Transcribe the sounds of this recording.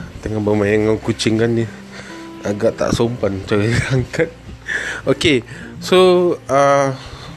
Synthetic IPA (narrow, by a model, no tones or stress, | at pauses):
t̪əŋabamajaŋawkut͡ʃɪŋkanːi | aɡaʔt̪a̰ʔsompant͡ʃawiaŋkat̪̚okesoa